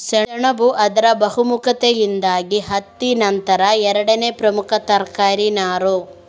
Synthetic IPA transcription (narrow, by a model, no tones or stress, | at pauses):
sɐɐɳɐbuʔɐd̪ɐɾɐbɐɦumukɐt̪ejind̪aːɡiɦɐt̪ːinɐnt̪ɐɾɐɛɾɐɽɐneːpɾɐmukʰɐt̪ɐɾkaːɾinaːɾu